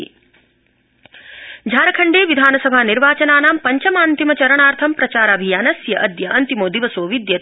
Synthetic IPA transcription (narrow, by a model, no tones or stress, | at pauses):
d͡ʒʱaːɾɐkʰɐɳɖeːʋid̪ʱaːnɐsɐbʱaːniɾʋaːt͡ʃɐnaːnaːmpɐɲt͡ʃɐmaːnt̪imɐt͡ʃɐɾɐɳaːɾt̪ʰɐmpɾɐt͡ʃaːɾaːbʱijaːnɐsjɐʔɐd̪jɐʔɐnt̪imoːd̪iʋɐsoːʋid̪jɐ